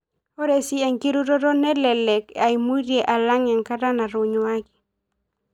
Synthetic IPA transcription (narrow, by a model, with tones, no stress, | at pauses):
o˦ɾe˨sɪ˦ɛ˨ŋki˦ɾu˦ɾo˦ɾo˦nɛ˦lɛ˨lɛ˨ka˨i˨mu˦ɾje˨ʔa˨la˦ŋɛ˨ŋka˦ta˦na˨ɾʊ˨ɲwa˦ɡi˨